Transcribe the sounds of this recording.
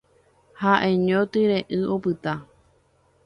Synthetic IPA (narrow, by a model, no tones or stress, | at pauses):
haʔẽɲõt̪ɨɾeʔɨʔopɨt̪a